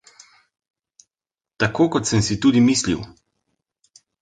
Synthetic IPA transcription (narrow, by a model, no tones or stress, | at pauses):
t̪akoːkɔt̪səmsit̪uːd̪imiːslḭw